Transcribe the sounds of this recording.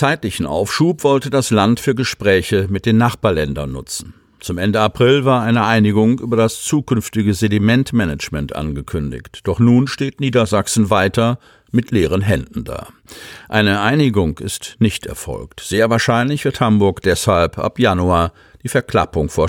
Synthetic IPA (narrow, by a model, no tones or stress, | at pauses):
t͡saɪtlɪçn̩ʔa̰ʊfʃuːpv̥ɔltədaslantfyːɐɡəʃpʁ̥ɛːçəmɪt̚d̥eːnːaχb̥aːɐlɛndɐ̰nːʊ̰t͡sn̩ | t͡sʊmʔɛndəapʁ̥ɪlvaːɐʔaɪnəʔaɪnɪɡʊŋʔyːbɐdast͡suːkʏnftɪɡəzedimɛntmɛnət͡ʃmɛntʔa̰nɡəkʰʏndɪ̰çtd̥ɔχnuːnʃteːtniːdɐzaksn̩vaɪtɐ | mɪtʰleːʁ̞ənɦɛndn̩da̰ː | ʔaɪnəʔaɪnɪɡʊŋɪ̰stnɪçtɛ̰ɐfɔ̰lktz̥eːɐvaːɐʃaɪnlɪçv̥ɪɐthambʊɐkd̥ɛshalpʔa̰pjanuaːɐ | d̥iːfɛɐkl̥a̰pʊŋfoːɐ